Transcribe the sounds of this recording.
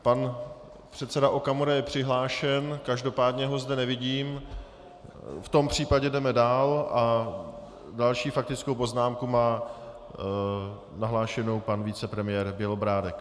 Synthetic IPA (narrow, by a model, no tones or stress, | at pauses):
pan | pr̝̥ɛt̪t͡sɛdaʔokamoɾajɛpr̥ɪɦlaːʃɛnkaʒdo̞paːdɲɛɦo̞zdɛnɛvɪɟiːm | ft̪o̞mpr̝̥iːpaɟɛdɛmɛdaːlʔa | dalʃiːfak̚t̪ɪt͡skowpo̞znaːmkumaː | naɦlaːʃɛno̞wpanvit͡sɛpɾɛmɪjɛːɾbjɛlobɾaːdɛk